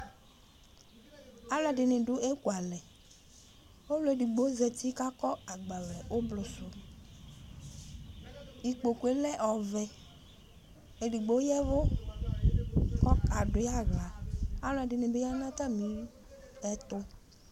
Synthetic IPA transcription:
a˦lɛ˨ɖɪ˨nɪ̃˨ɖʊ˦ʔe˦ku˨a˨lɛ˨ | o˦lo˨e˨di˨ɡ͡bo˨˦zɛ˨t̪i˦ka˦kɔ˦a˨ɡ͡ba˨lɛ˨o˦blʊ˨sʊ˨ | i˨k͡po˨ku˨e˨lɛ˦ʔɔ˨vɛ˨ | e˨ɖi˨ɡ͡bo˨˦jɛ˦vʊ˦ | kɔ˦ka˨dʊ˨ja˦˨ɣla˨a˦lɔ˦˨ɛ˨dɪ˨nɪ̃˨be˦ja˦nã˦ta˦mĩ˨˦ | ɛ˦t̪ʊ˦

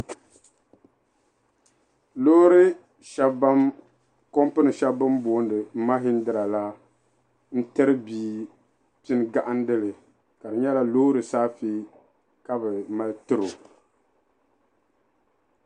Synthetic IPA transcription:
lo˦ɾɨ˦ | ʃa˦ba˦m | ko˦mpɨ˦nɨ˨ʃa˦bɨ˦mboː˨˦n˦dɨ˨˦ma˦ɦɪ˦n̩˦dɨ˨ɾa˨la˦ | n̩˦tɨ˦ɾɨ˦biː˦ | tɪ˦n˦ɡa˦˨ʔa˦n˦dɨ˦lɨ˨ | ka˨dɨ˨ɲɛ˦la˦lo˦ɾɨ˨saː˦feː˦ | ka˦bɨ˨ma˦ltɨ˦ɾo˨

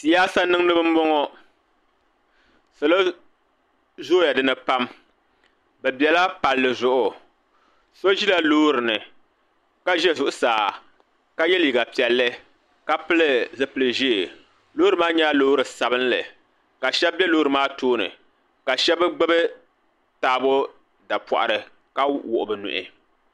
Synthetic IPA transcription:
si˨jaː˦sa˦nɨ˦ŋ˦nɨ˦bɨ˦m̩˦bɔ˦ŋɔ˦ | so˨lo˦ | zoː˦ja˨dɨ˦nɨ˨pa˦m | bɛ˨bjɛ˨la˦pa˨lːɨ˨zʊ˦ʔʊ˨ | so˦ʒi˦la˦loː˦ɾɨ˨nɨ˨ | ka˦ʒɛ˦zʊ˨ʔʊ˦saː˨ | ka˦jɛ˦li˨ɡa˨pi˨ɛ˨lːɨ˦ | ka˦pɨ˦lɨ˦zɨ˦pɨ˨˦lɨ˨ʒi˦˨ | loː˦ɾɨ˨maː˦ɲa˦loː˦ɾɨ˨sa˨bɨ˦nlɨ̰˨ | ka˨ʃɛ˦b̚bɛ˦loː˦ɾɨ˨maː˦toː˦nɨ̰˨ | ka˨ʃɛ˦bɨ˦ɡ͡bɨ˦bɨ˦ | taː˨˦˨bʊ˦ | da˨pɔ̰˨ʔa̰˨ɾɨ˨ | ka˦wʊ̰˨ʔʊ˨bɨ˨nʊ̰˨ʔɪ̰˨

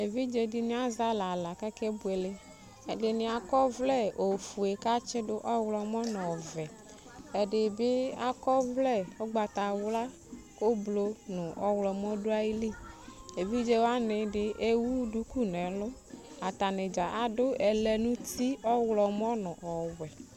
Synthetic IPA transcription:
e˨vi˦d͡ʒe˦dɪ˨nɪ̃˦a˦za˦la˨la˨kɛ˦kɛ˦bu˨e˨lɪ˦ | ɛ˨dɪ˨nɪ̃˨a˨kɔ˦vlɛ˦o˨fu˨e˨ka˦t͡ʃɪ˦dʊ˦ʔɔ˦wlɔ˨mɔ˦nɔ̃˨vɛ˨ | ɛ˨dɪ˨bɪ˦a˨kɔ˦vlɛ˦o˦ɡ͡ba˨t̪a˨wla˦ | ko˦blo˦nʊ̃˨ʔɔ˦wlɔ˨m˦ɔ˦dʊ˦a˦ji˦li˦˨e˨vi˦d͡ʒe˦wa˦nɪ˨dɪ˦ʔe˦wu˦du˦ku˦nɛ˨lʊ˦ | a˨ta˨nɪ˨d͡ʒa˨ʔa˨dʊ˦ɛ˨lɛ˨nũ˦t̪i˦ɔ˦wlɔ˨m˦ɔ˦nɔ̃˨ʔɔ˨wɛ˨

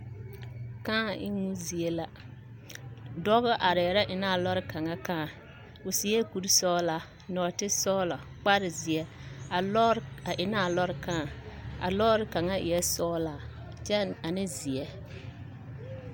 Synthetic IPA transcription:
kãː˦˨ʔɪ˦ŋu˦zi˨e˦la˦ | dɔ˦ɣʊ˦ʔa˨ɾɪ˨ɾa˦ʔɪ˨na˦˨lɔ˦ɾɪ˦ka˨ŋa˦kãː˦˨ | ʊ˨si˨˦ɛ˦ku˦ɾsɔː˦la˦˨ | nɔ˨tɪ˦sɔː˦lɔ˨k͡pa˦ɾɪ˨zɪ˨ɛ˦a˨˦a˨ʔɪ˨naː˦˨lɔ˦ɾɪ˨kã˦˨a̰˨lɔː˦ɾɪ˦ka˨ŋa˦ʔɪ̰˨jɛ˦sɔː˦laː˦˨ | t͡ʃɛ˦a˨nɪ˦zɪ˨ɛ˦

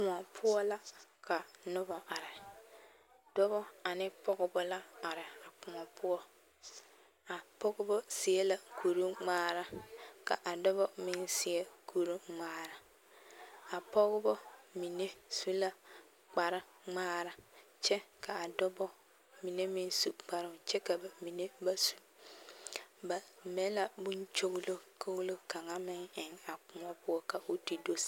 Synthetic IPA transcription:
kʊ̃˨ɔ˨pʰʊ˦ɔ˦la˦ka˨nʊ˦bɔ˨ʔa˨ɾɪ˨ | d̥ɔ˦bɔ˦a˨nɪ˦pɔ˦ɣɪ˦bɔ˦la˦a˨ɾɪ˨a˨k͡pʊ˨ŋɔ˨pʊ˦ɔ˦ | a˨pɔ˦ɡʊ˦bɔ˦sɪ˨e˦la˦ku˨ɾu˦ŋ͡maː˦ɾa˨ka̰˨ʔa˨dɔ˦bɔ˦mɪ˦nsɪ˨e˦kʰu˨ɾu˦ŋ͡maː˦ɾa˨ | a˨pɔ˦ɣʊ˦bɔ˦mi˨ne˦su˦la˨ | k͡pa˨ɾɪ˦ | ŋ͡maː˦ɾa˨ | t͡ʃɛ˦kʰa˨a˨dɔ˦bɔ˦ | mi˨ne˦mɪ˦n˦su˨k͡pa˨ɾɪ˦t͡ʃɛ˦ka˨ba˨mi˨ne˦ba˨su̥˦ | ba˨me˦la˨bʊ˦nt͡ʃo˦ɡlo˦kʰo˦ɣlo˦ka˨ŋa˦mɪ˦ŋɪ˨ŋa˨k͡pʊ˨ŋɔ˦pʊ˦ɔ˦ka˨ʔo˦ti˨do˦s

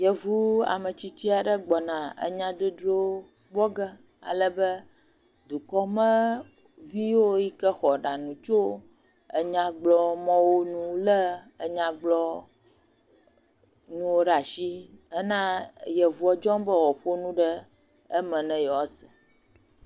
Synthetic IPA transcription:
jə˨vu˦a̰˨mə˨t͡ɕi˦t͡ɕi˦a˨ɖə˦ɡ͡bɔ˨nã˨ə̰˦ɲã˦d̪o˦dɾo˦ | ɡ͡bɔ˦ɡə˦ | a̰˨lə˦bə˦ | d̪u˨kɔ˦mə̃˦ | vi˦wo˦ji˦kə˦xɔ˨ɖa˨nũ˨t͡ʃo˦ | ə˨ɲã˨ɡ͡blɔ˦mɔ̃˦wo˦nũ˦lə˦ | ə˨ɲã˨ɡ͡blɔ˦ | nũ˦wo˦ɖa˨ʃi˦ə˦nã˦jə˨vu˨˦ɔ˦d͡ʒɔ̃˦mbə˦wɔ˨ɸo˦nũ˦ɖə˦ | ə˦mə̃˨nɛ̃˨jɛ˨wɔ˦sɛ˨

